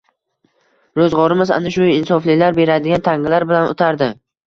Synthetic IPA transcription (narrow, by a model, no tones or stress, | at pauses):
ɾozʁɒɾɪmɪza̰naʃʊɪnsɒflɪlaɾbe̞ɾad̪ɪɡʲant̪ʰaŋɪlaɾbɪlano̰t̪ʰaɾd̪ɪ